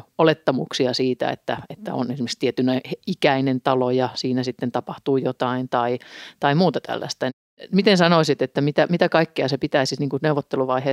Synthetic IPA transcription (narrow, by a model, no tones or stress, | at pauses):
olet̪ːɑmuksiɑsiːt̪æ̰ḛt̪ːæet̪ːæ̰o̰nesimekst̪iet̪ynæhikæinent̪ɑlojɑsiːnæsit̪ːent̪ɑpɑht̪uːjot̪ɑint̪ɑit̪ɑimuːt̪ɑt̪ʰæ̰lːæ̰st̪æ | mit̪ensɑnoisit̪et̪ːæmit̪æmit̪ækɑikːeɑsepit̪æisitniːŋkuneuʋot̪ːeluʋɑiheː